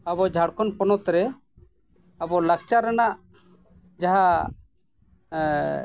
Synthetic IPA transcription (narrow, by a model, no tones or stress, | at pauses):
abɔd͡ʒʱaɽkʰɔnpɔnɔt̪ɾɛ | abɔlakt͡ʃaɾanaʔ | d͡ʒaɦa